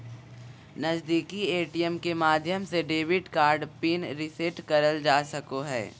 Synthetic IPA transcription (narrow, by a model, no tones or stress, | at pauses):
nɐzd̪iːkieːʈijɛmkemaːd̪ʱjəmseɖeːʋɪɖkaːɾɖpinɾɪseʈkɐɾəld͡ʒaːsɐkoɦɛ̰ː